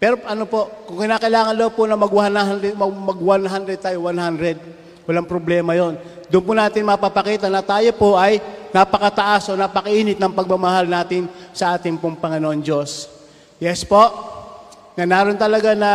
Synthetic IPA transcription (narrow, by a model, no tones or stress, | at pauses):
pɛɾoʔɐnopo̞ʔkʊŋkɪnaːkɐʔɪlaːŋɐnd̪ɐwponɐmɐɡwanaɛmmɐɡwanɦand̪ɾɛd̪̚t̪aːjowanɦand̪ɾɛd̪̚ | wɐlaŋpɾoblɛːmɐjo̞n | d̪ʊʔʊnpʊnaːt̪ɪnmɐpapɐkiːt̪ɐnɐt̪aːjo̞poʔɐjnɐpɐkɐt̪ɐʔasʔo̞napɐkɐʔiːnɪt̪̚nɐŋpɐɡ̚mamɐɦalnaːt̪ɪnsɐʔaːt̪ɪŋpʊŋpɐŋɪnoʔond͡ʒo̞s | jɛspo̞ʔ | ŋɐnaːɾont̪ɐlɐɡanɐ